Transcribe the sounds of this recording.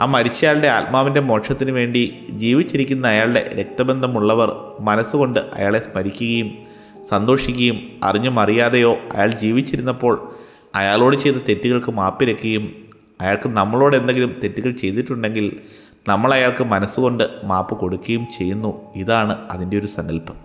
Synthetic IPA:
aːmɐɾit͡ɕːijaːɭɖe̞almaːʋinde̞mo̞ːʂɐt̪ːinɨʋe̞ːɳɖid͡ʑiːʋit͡ɕːiɾikʲːunːɐːjaːɭɽe̞̰ɾek̚t̪ɐbe̞nd̪ʱɐmuɭːɐʋɐrmɐnɐsuko̞ɳɖɨʔɐ̰jaːɭe̞smɐɾikʲːuɣɐjum | sɐnd̪o̞ːʂikʲːɐjumɐ̰riɲːumɐrijaːðejo̞ːɐ̰jaːɭd͡ʑiːʋit͡ɕːiɾunːɐpːo̞ːɭ | ɐjaːɭo̞ːɽɨt͡ɕe̞jt̪ːɐt̪e̞tːuɣɐɭkɨmaːpːiɾɐkʲːuɣɐjum | ɐjaːɭkɨnɐmːɐɭo̞ːɽend̪eŋɡilumt̪e̞tːuɣɐɭt͡ɕe̞jt̪iʈːuɳɖe̞ŋɡil | nɐmːɐɭɐjaːɭkɨmɐnɐsːuko̞ɳɖɨmaːpːɨko̞ɽukʲːɐjumt͡ɕe̞jːunːuiðaːɳɨɐ̰ðinde̞o̞ɾusɐŋɡɐlpɐ̥

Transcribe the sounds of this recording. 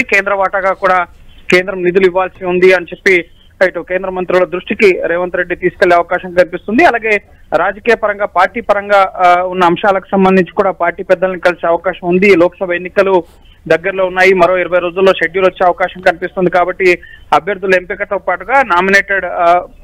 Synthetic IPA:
ke̞ːnd̪ɾɐʋaːʈɐɡaːkuːɽaːke̞ːnd̪ɾɐmnid̪uliʋːaːlsiund̪iɐnɐt͡ʃe̞pːi | iʈukeːnd̪ɾɐmɐnt̪ɾulɐd̪ɾuʂʈikiɾeːʋɐnt̪ɾeɖːit̪iːsu̥ke̞leːɐʋɐkaːʃɐŋkɐnipist̪und̪iɐlaːɡe̞ː | ɾaːd͡ʒɐkiːjɐpɐɾɐŋɡaːpaːɾʈiːpɐɾɐŋɡaːunːɐːmʃaːlɐku̥sɐmbɐnd̪iɲt͡ʃi̥kuːɽaːpaːɾʈiːpɛd̪ːɐlɐnikɐlseːɐʋɐkaːʃɐmund̪ilɔːkɐ̥sɐbʱɐjenːikɐlu | d̪ɐɡːɐɾlo̞ːunːaːjimɐɾo̞ːiɾɐʋɐjɾoːd͡ʒulːo̞ːʃeɖjulʋɐt͡ʃːeːɐʋɐkaːʃɐmkɐnipist̪und̪ikaːbɐʈːiɐbʱjɐɾd̪ʱːulempikɐt̪oːpaːʈuɡaːnaːmineːʈɐɖ

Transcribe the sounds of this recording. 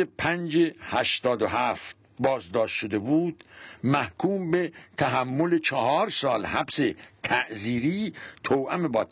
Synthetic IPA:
epʰænd͡ʒehæʃt̪ɒːd̪oɦæft̪̚ | bɒːzd̪ɒːʃt̪ʃod̪e̞buːd̪̥mæhkʰuːmbe̞t̪ʰæɦæmːolet͡ʃʰɒhɒːɾsɒːlhæbset̪ʰæʔziːɾiːt̪ʰowʔæmebɒː

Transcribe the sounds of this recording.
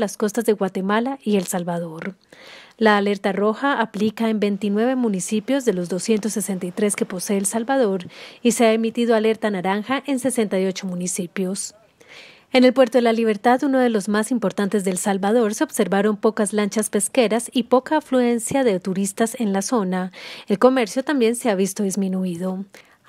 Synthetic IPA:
lasko̞st̪azðe̞ɣwat̪e̞malaie̞lsalβaðo̞ɾ | laːle̞ɾt̪aro̞xaʔːplikae̞mbe̞jnt̪inwe̞βe̞munisipjo̞zðe̞lo̞zðd̪o̞sje̞nt̪osːe̞se̞nt̪ajt̪ɾe̞ske̞po̞se̞eːlsalbað̞o̞ɾiseaemit̪iðoale̞ɾt̪anaɾaŋxaʔe̞nse̞se̞nt̪ajo̞t͡ʃo̞munisipjo̞s | e̞ne̞lpwe̞ɾt̪o̞ðelaliβ̞e̞ɾt̪aðuno̞ð̞e̞lo̞zmasimpo̞ɾt̪ant̪e̞zðe̞lsalβað̞o̞ɾse̞ob̥se̞ɾβaɾo̞mpo̞kazlant͡ʃaspe̞ske̞ɾasipo̞kaːflue̞nsjaðe̞t̪uɾist̪ase̞nlaso̞nae̞lko̞me̞ɾsjo̞t̪ambje̞nse̞aβist̪o̞ðizmĩnuiðo̞

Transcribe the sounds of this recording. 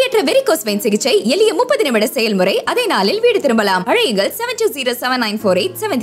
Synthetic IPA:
ɛʈrɐʋɛɾɪkːoːsʋeːnsɪɣɪt͡ʃːɐɪɛlɪjɐmʊpːɐðɪnɐmɪɽɐsɛjɐlmɯɾɐɪʔɐðeːnaːlɪlʋiːɽɯt̪ɪɾɯmbɐlaːmɐɻɐjɯŋɡɐɭsɛʋɐntuːziːɾoːsɛʋɐnːɐɪnfoːɾeɪʈsɛʋɛnt̪

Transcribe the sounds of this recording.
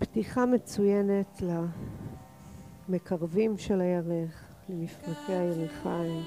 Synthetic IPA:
ptiχamet͡sujene̞tla | me̞kʰaʁvimʃe̞lajaʁeχ | lemiflatʰeajeʁiχaim

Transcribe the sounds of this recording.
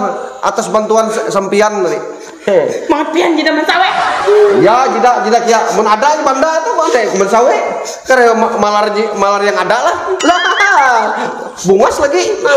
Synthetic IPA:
ʔa̰t̪asbant̪uansampianani | maŋapiand͡ʒidamansawejad͡ʒidaʔd͡ʒidakajaʔmanadaʔnbandat̪umadamansaweʔ | kaɾammalard͡ʒimalarjaŋadalahlak̪at̪a | buŋaslaɡi

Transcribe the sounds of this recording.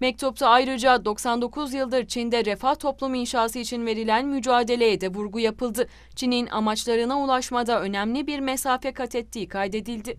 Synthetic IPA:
mɛc̚t̪ʰup̚t̪ʰaːjɾɯd͡ʒad̪o̞ksand̪o̞kʰuzjɯlˠd̪ɯɾt͡ʃʰind̪ɛɾefaht̪ʰo̞plˠumuinʃaːsɯit͡ʃʰinve̞ɾilʲænmyd͡ʒaːd̪e̞lʲe̞jɛd̪ɛvuɾɡujapʰɯlˠd̪ɯ | t͡ʃʰininʔa̰mat͡ʃlˠaɾɯnaulˠaʃmad̪aø̞næmlʲibiɾmesaːfɛkʰat̪ʰɛt̪ʰːiːkʰajd̪e̞d̪ilʲd̪ɪ

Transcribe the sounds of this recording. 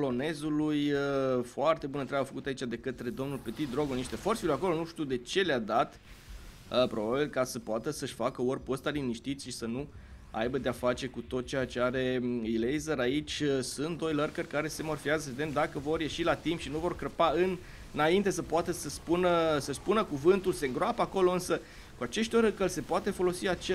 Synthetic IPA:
lo̞ne̞zulujəfoart̪e̞bunənt̪ɾabafəkut̪ait͡ʃad̪e̞kət̪ɾe̞d̪o̞mnulpet̪id̪ɾo̞ɡoniʃt̪e̞forsilojako̞lo̞nuʃt̪iud̪e̞t͡ʃe̞lead̪at̪ | əpɾo̞babilkasəpoat̪əsəʃʲfakəorpost̪aliniʃt̪it̪sʲʃisənu | a̰jbəd̪eafat͡ʃe̞kut̪o̞t̪̚t͡ʃeat͡ʃeaɾe̞ilejzəɾait͡ʃʲsunt̪̚d̪o̞jlərkərʲkaɾe̞se̞morfiazəve̞d̪emd̪akəvo̞rje̞ʃilat̪impʃinuvo̞rkɾəpaɨnː | aint̪e̞səpoat̪əsəspunəsəʃspunəkuvɨnt̪ulse̞ŋɡɾoapəako̞lo̞ɨnsə | kuat͡ʃe̞ʃt̪ʲoɾəkəlse̞poat̪e̞fo̞lo̞siat͡ʃe

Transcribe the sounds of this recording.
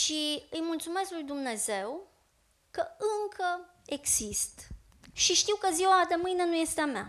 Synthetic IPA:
ʃiɨjmult̪sume̞sklujd̪umne̞ze̞w | kəɨŋkʰə | e̞ɡz̥ist̪ | ʃiʃt̪iwkəziwad̪emɨjne̞nuje̞st̪eama̰

